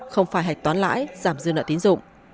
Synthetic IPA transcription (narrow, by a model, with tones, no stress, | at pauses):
xə˧wŋ͡mfaː˧˩jɦa˨˩jk̚t̪waː˨˦nla̰ː˧˥jzaː˧˩mzɨ˧nə̰ː˧˨t̪i˨˦nzʊ̰˧˨ŋ͡m